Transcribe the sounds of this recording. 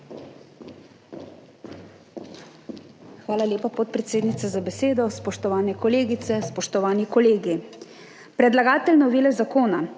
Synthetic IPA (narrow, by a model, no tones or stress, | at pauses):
xʋaːlalʲjeːpapɔt̪̚pɾɛt̪seːd̪nit̪sazabɛseːd̪ɔspɔʃt̪ɔʋaːnɛkɔleːɡit̪sɛspɔʃt̪ɔʋaːnikɔleːɡi | pɾɛd̪laɡaːt̪ɛlnɔʋilɛzakoːna